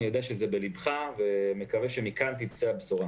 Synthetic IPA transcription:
ijod̪eaʃezebelibχavemekaveʃemikant̪ivt͡seabsoʁa

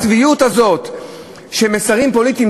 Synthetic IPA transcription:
t͡svijut̪hazo̞t̪ | ʃemesaʁimpo̞lit̪im

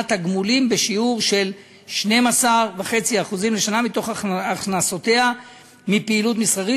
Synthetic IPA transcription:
t̪aɡmulimbeʃiuʁʃe̞l | ʃne̞masaʁvaχe̞t͡siaːχuzimleʃanamit̪o̞χaχnasote̞a | mipeːlut̬misχaʁi

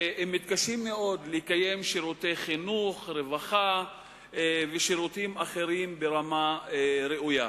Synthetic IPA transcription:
emːit̪̚kaʃimːeʔo̞d̪leikaje̞mʃiɾut̪ejχinuχɾevaχa | veʃiɾut̪imaχe̞ɾimbe̞ʁamaɾeʔuja

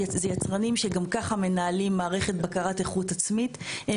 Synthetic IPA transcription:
zejat͡sʁanimʃeɡamkaχame̞naːlimːaːʁeχe̞t̚bakaʁateχutat͡smithe

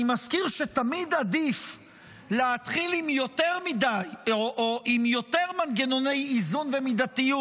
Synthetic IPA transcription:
imaskiʁʃetamid̪ad̪if | leat̪χilimjo̞t̪eʁmidajoʔoʔimjo̞t̪e̞ʁmanɡeno̞ne̞jizunve̞mid̪at̪iju

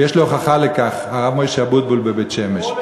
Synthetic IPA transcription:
jeʃloχaχalekaχaʁavmojʃeabut̪̚bulbebet̪ʃemeʃ

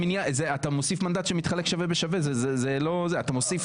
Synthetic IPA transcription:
minjazeat̪amosifmand̪at̪ʃemit̪χalekʃavebeʃavezezezelo̞zeat̪amo̞sif

